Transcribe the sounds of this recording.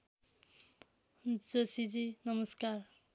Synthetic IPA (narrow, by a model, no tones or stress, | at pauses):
d͡zosid͡zinʌmʌskar